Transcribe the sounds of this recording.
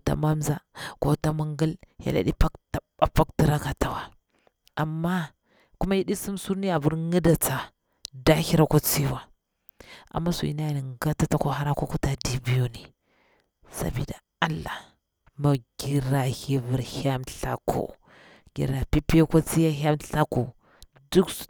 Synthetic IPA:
ta̰˨ma˦mza˦ko˨˦ta˦mu˦ŋɡə˦lja̰˨la̰˨di˦pa˦kta˨a˨pa˦kti˦ɾa˦ka˨ta˨wa˨ | a˨mːa˦ | ku˦ma˦ji˦ɗi˦si˦msu˦ɾni˦a˨bu˦ɾŋə˦da˨t͡sa˨ | da˦hi˦ɾa˦ko˦t͡si˦wa˨ | a̰˨mːa˦sṵ˨ḭ˨na˦jni˨ŋɡa˦ta˦ta˦ko˦ɦa˦ɾa˦ko˦ku˦ta˨di˨bi˦jo˦ni˨ | sa̰˨bḭ˨da˨ | a˦lːa˨ | ma˨ɡi˨ɾa˨hi˦vi˨ɾha˦mɬa̰˨kʰo̰˨ | ɡḭ˨ɾa˨pi˦pi˦ja˦ko˦t͡si˦ja˦ɦʲa˦mɬa˦ku˨ | du˦k

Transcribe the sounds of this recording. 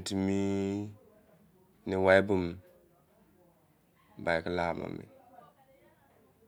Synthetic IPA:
ti˨mi˦ | ni˨wa˦bu˦m | ba˨jki˦la˦˨ma̰˨mḭ˨n

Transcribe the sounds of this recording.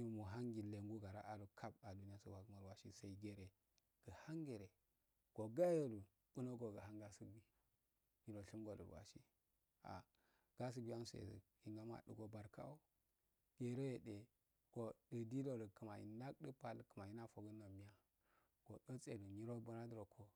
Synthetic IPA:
ji˦mu˨ɦa˦ŋɡi˨le˨ŋɡu˦ɡa˨ɾa˦ʔa˨ɾu˨kʰa˦ba˨du˨ni˦ja˦so̰˦˨wa˨ɡma˨ɾwa˨ʃi˦sa˨i˦ɡe˨ɾe˨ | ɡ̥ə˨ha˦ŋɡe˨ɾe˨ | ɡ̥o˨ɡa˦jo˦du˨ | ɓ̥u˦no˦ɡo˨ɡə˨ɦa˦ŋɡa˨su˦bi˦ | ɲi˨ɾo˨ɬi˦mɡo˨də̰˨ɾwa̰˨ʃi˦ | a̰˨ | ɡ̥a˦s̬u˦bi˦a˦nso˨ḛ˨zə̰˨ | i˨ŋɡa˦ma̰˨ɗə̰˨ɡo˨ba˨ɾkʰa̰˦o˦ | ɡ̥e˨ɾo˦je˨de˨ | ɡ̥o˨də˨di˦do˦ɾə˨kə˨ma̰˨jḭ˨na˦kdə˦pa˨lkə˨ma˨ji˦na˦fo˨ɡə˦na˨mi˦ja˦ | ɡ̥o˨ɗo˦t͡sʼe˨du˨ɲi˦ɾo˦bu˦na˦də˦ɾo˨kʰo˦

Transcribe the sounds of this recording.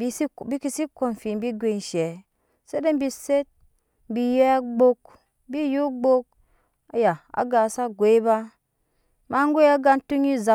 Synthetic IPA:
bi˧i˦bi˦ki˦˧si˦ko˨n˨fi˨m̩˦bi˦ɡʷe˨n˨ʃɛ˨ | se˦de˦m˦bi˧se˦t̩̚˦ | bi˧jɛ˦a˦ɡ͡bo˦k | bi˦ju˦ɡ͡bo˦k̚ | a˨ja˨a̰˨ɡa˨sa˦ɡʷe˨˦i˦ba˦ | ma˦ŋ˦ɡʷe˦ja˦ɡa˧n˦tu˦ŋi˦za˨

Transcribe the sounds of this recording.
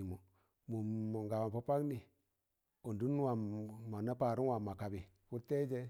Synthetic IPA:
i˨mu˨ | mu˨ŋɡa˨wa˨pa˦pa˦kni˨ | o˨ndu˦n˦wa˨ma˨na˦pa˨ɾu˦wa˨ma˨ka˨bi˨ | ku˦te˦d͡ʒe˦

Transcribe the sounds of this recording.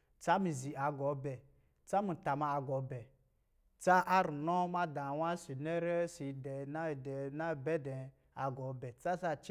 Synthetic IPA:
t͡sa˦mi˨zi˨a˨ɡɔ˨˦bɛ˨ | t͡sa˦mu˨ta˨ma˧a˨ɡɔ˨˦bɛ˨ | t͡sa˦ʔa˦ɾu˨nɔ˦ma˦dã˨wa˦si˨ne˦ɾɛ˦si˨dɛ˨na˦˨dɛ˨na˦˨bɛ˦dɛ˨ | a˨ɡɔ˨˦bɛ˨t͡sa˦sa˦˧t͡ʃ

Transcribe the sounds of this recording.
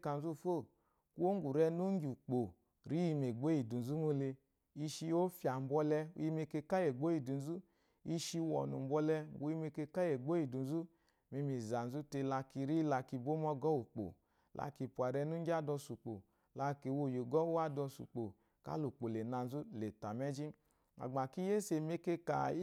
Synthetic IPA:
ka˨n˦zu˦˨fo˦˨ | ku˦o˦ŋ˦ɡu˨ɾɛ˧nu˦ŋ˦ɡi˨u˨k͡po˨ | ɾi˦i˧me˨ɡ͡bo˦i˨du˨zu˦mo˦le˧ | i˧ʃi˧o˦fja˨m̩˨˦bʷɔ˧lɛ˧ṵ˦ji˧me˧ke˧ka˦je˨ɡ͡bo˦i˨du˨n˦zu˦ | i˧ʃi˧wɔ̰˨nṵ˨˦bʷɔ˧lɛ˧bu˨˦ji˦me˧ke˧ka˦je˨ɡ͡bo˦i˨du˨n˦zu˦ | mi˧mi˧˨za˨n̩˨zu˦te˧la˧ki˧ɾi˦la˧ki˧˨bo˦mɔ˧ɡɔ˦u˨k͡po̰˨ | lʔa̰˧˨ki˧pu˨a˨ɾɛ˧nu˦d͡ʒa˦˨dɔ˧su˨k͡po˨ | la˧ki˨wo˧˨jo˨ɡɔ˦wa˦dɔ˧sṵ˨k͡po˨ | ka̰˦lu˨k͡po˨le˨na˨n̩˦zu˦le˨ta˨mɛ˦d͡ʒi˦ | a̰˨ɡ͡ba˨ki˦je˦se˧˨me˦ke˧ka̰˨˦

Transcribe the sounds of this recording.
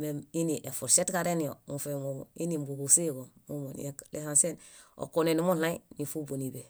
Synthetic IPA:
memi˦ni˨ʔe˨fu˨ɾse˦tkaɾeni˨o̰mufemoṵ˨i˦nimbu˨bu˨si˦ɡo˨mu˦mo˨n̰ekle˦hanse˦no̰˨ko˨ne˨ni˦mu˦na˦ini˨fu˦bo˨ni˨be˨

